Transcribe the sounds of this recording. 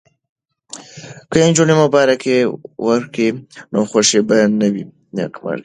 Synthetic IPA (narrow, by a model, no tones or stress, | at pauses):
kəend͡ʒunemobɑɾakewəɾkinoxoʃebanawi | na̰kma̰ɾk